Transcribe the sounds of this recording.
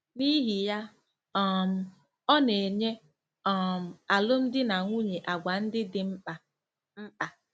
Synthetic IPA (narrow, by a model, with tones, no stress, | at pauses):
ni˦ɦi˨ja˦ | ɔ˦m̩˨ | ɔ˦ne˨ɲe˦ | ɔ˨m̩˨a˨lʊ˦m̩˦dɪ˦na˨ŋʷu˦ɲe˨ʔa˨ɡʷa˨n̩˦dɪ˦dɪ˨m̩˦k͡pa˨ | m̩˦k͡pa˨